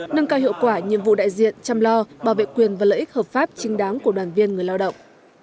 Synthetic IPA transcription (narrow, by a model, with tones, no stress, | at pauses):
ŋɨ˧ŋkaː˧whḭ˧əwkwaː˧˩ɲɨ̰˧˨mvṵ˧˨ɗa̰ː˧˨jzḭ˧˨ənt͡ɕa˧mlɔ˧ɓaː˧˩wvḛ˧˨kwi˨˩ənvaː˨˩lə̰ː˧˨ʔi˦˥k̚həː˨˩p̚faː˦˥p̚t͡ɕï˨˦ŋ̟ɗaː˨˦ŋku˧˩əɗwaː˨˩nvi˧ənŋɨ˨˩əjlaː˧wɗə̰˧˨wŋ͡mʔ